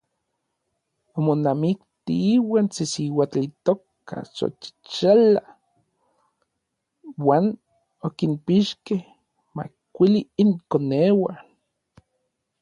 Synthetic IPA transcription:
omonamikt̪ḭiwaːnt͡sisiwat͡ɬit̪ok | a̰so̰t͡ʃi̥t͡ʃala | waːn | okimpiʃkeh | ma̰ | kʷiliːŋkonewa

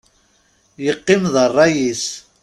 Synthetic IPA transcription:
jəqːɪmðˤərˤːɑjis

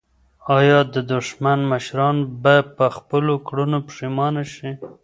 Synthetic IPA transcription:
ɑjɑd̪əd̪ʊʃmanməʃɾɑnbɑjad̪̚pəxpəlokɽunopʂimɑnaʃi

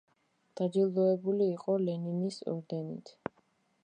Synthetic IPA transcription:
d̪̥ad̪ilˠɔɛbuliːqʼɔlɛninisɔ̰ɾd̪ɛnḭt̪ʰ

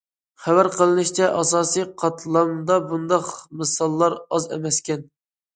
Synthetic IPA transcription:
χæwæɾqʰəlˠɨnɨʃt͡ʃʰɛʔɑsɑːsijqʰɑt̪ʰlˠɑmd̪ɑbund̪ɑqmɨsɑlˠːɑɾɑzɛ̰mɛskʲɛn

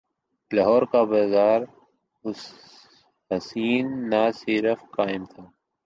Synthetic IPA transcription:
lɐɦɔːɾkabaːzaːɾ | ʊs | ɦɐsiːnːaːsiːɾəfkaːɪmt̪ʰaː

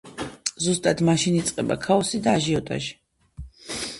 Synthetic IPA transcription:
zust̪ʼad̪maʃinit̪sʼqʼɛba̰kʰaɔsid̪aːʒiɔt̪ʼa̰ʒi̥

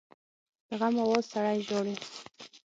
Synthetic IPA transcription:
d̪aɣamawozsaɽajʒoɽi

